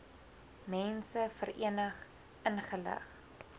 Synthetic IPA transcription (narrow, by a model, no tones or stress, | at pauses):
mɛnsəfərḭənəχ | ʔənχələ̰χ